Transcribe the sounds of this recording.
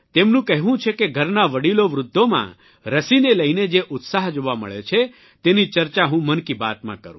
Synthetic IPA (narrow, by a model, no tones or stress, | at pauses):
t̪emnũkəɦʋũt͡ʃʰekeɡʱəɾnaʋəɽiloʋɾʊd̪ʱːomã̰ | ɾəsineləjned͡ʒeʔʊt̪saɦd͡ʒoʋamə̰ɭet͡ʃʰe | t̪enit͡ʃəɾt͡ʃaɦũmənkiba̰t̪mã̰kəɾũ